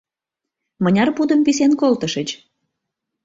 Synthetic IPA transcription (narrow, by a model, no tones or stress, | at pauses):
mənʲɑrpud̪əmpis̬enkolt̪əʃət͡ɕ